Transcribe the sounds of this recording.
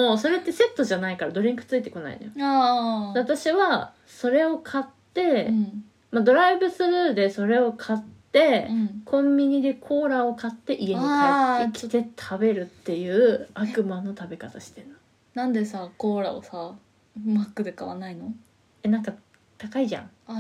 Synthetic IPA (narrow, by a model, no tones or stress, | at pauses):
moso̞ɾe̞t̪ːe̞se̞t̪ːo̞ʑanaikaɾad̪o̞ɾʲĩŋkɯ̟̥t͡sɨit̪e̞ko̞na̰ḭno̰joaeat̪aɕiβa | so̞ɾe̞o̞kʰat̪ːẽ̞ | mad̪o̞ɾaibɯ̟sɨɾɯd̪e̞so̞ɾe̞o̞kʰat̪ːẽ̞kʰõ̞mʲbʲiɲ̟id̪e̞kʰo̞ːɾao̞kat̪ːe̞ʔieniaekʲi̥t̪et̪ʰabe̞ɾɯ̟t̪ːe̞jɯ̟ːakɯ̟mano̞t̪abe̞kat̪aɕi̥t̪e̞ɾɯo | nãnd̪e̞sakoːɾa̰o̰sa | makːɯ̟d̪ekaβa̰naino̞ | e̞nãŋka | t̪akaiʑã̰ŋa